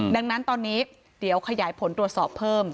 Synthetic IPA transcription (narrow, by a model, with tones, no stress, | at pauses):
da˧ŋna˦˥nt̪ɔː˧nːiː˦˥ | di˨˩˦əwkʰa˧jaː˩˦jpʰo˩˦nt̪ɾu˨˩ət̪sɔː˨˩pʰɤː˥˩m